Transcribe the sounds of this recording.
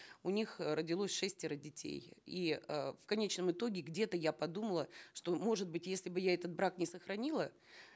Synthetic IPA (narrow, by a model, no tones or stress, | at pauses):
ʊnʲixrədʲɪlˠosʲʂɛsʲtʲɪɾədʲɪtʲḛjiəfkɐnʲet͡ɕnəmɨt̪o̞ɡʲɪɡdʲe̞t̪əjapɐd̪uməlˠəʂt̪o̞mo̞ʐɨt̪̚bɨtʲjesʲlʲɪbɨjaɛt̪ət̪̚bɾaknʲɪsəxɾɐnʲilˠə